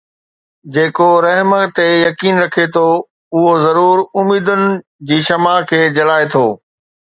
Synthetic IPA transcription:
d͡ʑeːkoɾɐɦmə̆t̪ejɐkiːnɾɐkʰet̪ʰo | ʊɦozɐɾuːɾʊmiːd̪ʊnɪ̆d͡ʑiːʃɐmakʰeːd͡ʑɐlaːet̪ʰoː

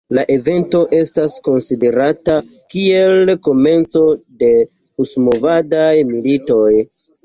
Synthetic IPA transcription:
laʔe̞ve̞nto̞ʔe̞stasko̞nside̞ɾata | kie̞lko̞me̞nt͡so̞de̞ | usmo̞vadajmilito̞j

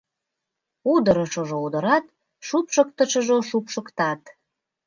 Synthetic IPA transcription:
ud̪əɾəʃoʒoud̪ə̆ɾɑt̪̚ | ʃupʃək̚t̪əʃə̆ʒoʃupʃəkt̪ɑt̪

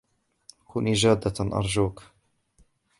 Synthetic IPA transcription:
kuniːd͡ʒaːd̪ːaʔɑ̰ɾˤd͡ʒuːk

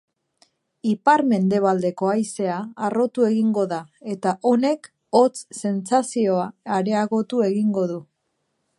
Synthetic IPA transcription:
ipaɾme̞nd̪e̞β̞ald̪e̞ko̞ajse̞aːro̞t̪ue̞ɣiŋɡo̞ðae̞t̪aʔo̞ne̞k | o̞t͡sse̞nt͡sasio̞aːɾe̞aɣo̞t̪ue̞ɣiŋɡo̞ðu

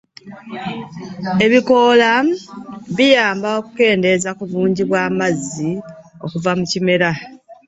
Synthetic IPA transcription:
e̞βiko̞la | βijaːmbao̞kuke̞ːnde̞zakuβuːɲɟiβwaːmazːi | o̞̰kuvamucime̞ɾa

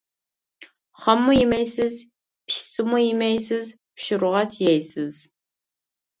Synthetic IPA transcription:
χɐmːujɪmejsɨz | pʃsɨmujɪmejsɨz | pʃɪɾʊʁɐtʰjɛjsɨz̥

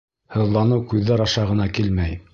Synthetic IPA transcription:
hɤ̆ðlˠɑnɤwkʉðːæɾɑʃɑʁɤ̆nɑkilmæj

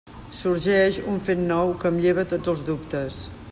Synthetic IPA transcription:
suɾʒɛʃuɱfet̪nɔwkəmʎeβ̞ət̪od͡zzəlˠzðupt̪əs

